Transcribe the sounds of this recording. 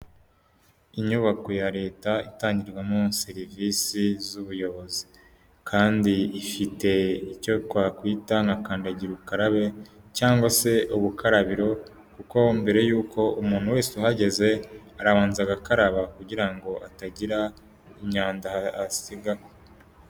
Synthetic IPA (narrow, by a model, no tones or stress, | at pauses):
iɲuβako̞jaɾe̞ːtaitaːɲɟiɾɡwamoseɾivisizuβujo̞βo̞zi̥ | kʰaːndiːfite̞ico̞twaːkwiːtaŋakaːndaɟiɾukaɾaβe̞ | caːŋɡwase̞uβukʰaɾaβiɾo̞ | kuko̞mbe̞ɾe̞juːko̞umuːn̥huwe̞ːseuɦaɟe̞ze̞ | aɾaβaːnzaɡakaɾaβakuɟiɾaŋɡo̞ʔataɟiɾa | imɲaːndahasiɡao